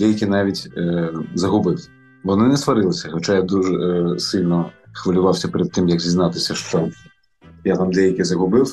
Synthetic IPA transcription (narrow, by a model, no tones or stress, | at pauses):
d̪ʲɛjɐkʲɪnɑʋʲitʲ | zɐɦʊbɪw | ʋɔnɪnɛsʋɐɾɪlˠɪsʲɐxɔt͡ʃajad̪uʒɛsɪlʲnɔxʋɐlʲʊʋɑwsʲɐpeɾɛd̪̚t̪ɪmjɐkzʲiznɑt̪ɪsʲɐʃt͡ʃɔ | jat̪amd̪ɛjɐkʲɪzɐɦʊbɪw